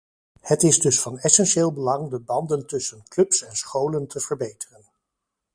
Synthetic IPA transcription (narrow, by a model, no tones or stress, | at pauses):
hətɪzdɵsfɑnɛsɛnʃeːlˠbəlɑŋdəbɑndəntɵsənklɵpsɛnsχowləntʰəv̥əɹbejtərən